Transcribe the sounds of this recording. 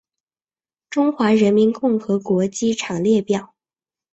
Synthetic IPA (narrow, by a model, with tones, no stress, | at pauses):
ʈ͡ʂʊ˥ŋxwa˧˥ɻə˧˥nmi˧˥nkʊ˥˩ŋxɤ˧˥kwɔ˧˥t͡ɕi˥ʈ͡ʂʰɑ˨˩ŋljɛ˥˧pjɑ˥˩ʊ